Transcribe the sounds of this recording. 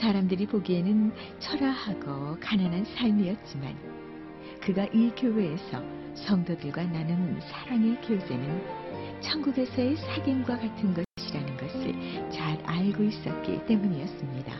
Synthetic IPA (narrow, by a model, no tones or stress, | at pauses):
saɾamdɯɾipoɡie̞nɯn | t͡ɕʰʌɾahaɡokananɦansʰaɭmiʌt̚t͡ɕ͈ima̰n | kɯɡaʔikjowe̞ːsʰʌ | sʰʌŋdodɯɭɡwananɯnsʰaɾaŋe̞kjod͡ʑe̞nɯnt͡ɕʰʌŋɡuɡe̞sʰʌesʰaɡinɡwakatʰɯnɡʌɕiɕʰiɾanɯnɡʌsʰɯ̰ɭt͡ɕaɾaɭɡois͈ʌt̚k͈ḭt͈e̞muɲiʌs͈ɯmɲida̰